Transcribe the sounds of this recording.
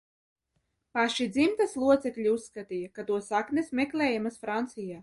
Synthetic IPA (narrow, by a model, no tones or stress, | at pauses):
paʃid̪zimt̪aslˠuɔt̪seklʲiusːkat̪ijakat̪uɔsaknɛsmeklʲɛːjamasfɾant̪sijaː